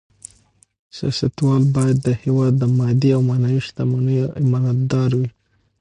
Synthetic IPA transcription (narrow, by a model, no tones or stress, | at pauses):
sjɑ̰sat̪wɑlbɑjad̪ːəhewɑd̪ːəmɑd̪iawmanɑwiʃt̪amanəjoʔɪmɑnat̪̚d̪ɑɾwi